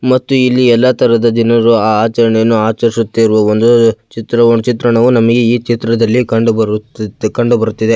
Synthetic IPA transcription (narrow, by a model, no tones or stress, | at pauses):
mɐt̪ːuilːiɛlːɐt̪ʰɐɾɐd̪ɐd̪inɐɾuaːaːt͡ʃɐɾɐɳejɐnːuaːt͡ʃɐɾisut̪ːeiɾuʋɐond̪ut͡ʃit̪ɾɐnut͡ʃit̪ɾɐɳɐʋunɐmɐɡeiːt͡ʃit̪ɾɐd̪ɐlːikɐɳɖubɐɾukɐɳɖubɐɾut̪ːid̪e